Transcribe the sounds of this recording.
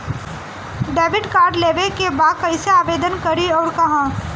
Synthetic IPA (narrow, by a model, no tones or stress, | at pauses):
ɖeːʋɪʈkaːɾɖleːʋekebaːd̪̚kɐɪseaːʋeːd̪ənkɐɾiɔːɾkɐɦãː